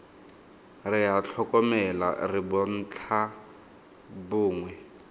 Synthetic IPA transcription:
rɪat͡ɬʰɔkɔmɛla̰rɪbɔn̩ːt͡ɬʰa | bʊːŋwɛ

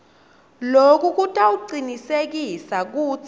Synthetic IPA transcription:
lokʼuk̬ʼutʼauǃinisek̬isak̬uːt͡sʰ

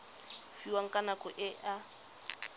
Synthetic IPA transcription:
fiwaŋ̩kʼanakɔʔɪʔa

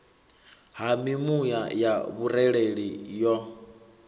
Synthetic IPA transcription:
ɦamimujajaβuɾɛɺeɺijɔ

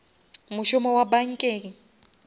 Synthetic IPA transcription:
mʊʃɔmɔwabaŋ̩kʼeːki

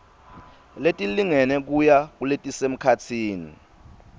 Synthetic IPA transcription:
letʼiliŋɛnɛk̬ujak̬uletʼisem̩kʰatʰiːnḭ

